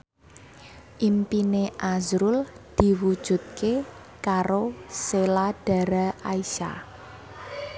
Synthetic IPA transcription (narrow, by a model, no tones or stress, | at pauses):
ʔimpineʔazɾʊld̪̥i̤wud̥ʒ̥ṳt̪̚ke | kaɾoselaɖ̥a̤ɾaaiʃa̰